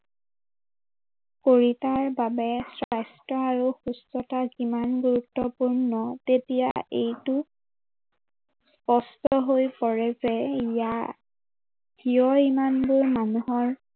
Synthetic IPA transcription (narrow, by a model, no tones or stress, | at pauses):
koɹitaɹbabɛsɹajstɹɔaɹuxustɔtazimanɡuɹutːɔpuɹnɔtetija̰ejtu | spɔstɔɦojpɔɹɛzɛija | ɡiɔimanbʊɹmanuɦɔɹ